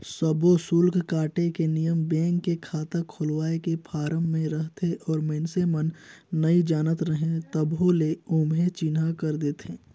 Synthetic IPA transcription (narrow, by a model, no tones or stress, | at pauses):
səbʱosʊlkkaːʈekenijəmbẽːŋkːekʰaːt̪akʰʊlwaːekepʰaːɾəmːẽɾəɦt̪ʰeʔɔːɾmeːnsemənːɐid͡ʒaːnət̪ɾəɦẽt̪əbɦoleoːmɦẽt͡ʃɪnɦakəɾd̪eːt̪ʰeː